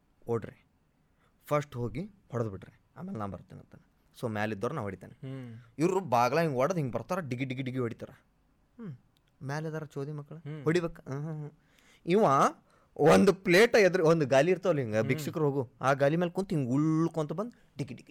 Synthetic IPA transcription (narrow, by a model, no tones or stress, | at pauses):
oːɖɾe | pʰɐsʈɦoːɡihɔɽɐd̪biʈɾi | a̰ːmeːlnaːwbɐ̰ɾut̪ːinɐ̰nt̪ɐnː | soːmaːlid̪oːɾɐnaːʋɦoɽit̪aːniiwɾubaːɡɐɭaːiŋɡɔɽɐd̪iŋɡbɐɾt̪aːɾaɖiɡiɖiɡiɖiɡɾiɦoɽit̪aːɾa | maːlid̪aːɾat͡ʃoːd̪imɐkːɐɭhoɽibekːɦɦ | iːʋaː | ond̪upleːʈɐed̪ɾeond̪uɡaːliːɾt̪ɐɐlːiŋɡebikʂikɐɾɦoːɡuaːɡaːlimelkunt̪iŋɡuɭːkont̪ɐbɐnd̪u | ɖiɡiɖiɡi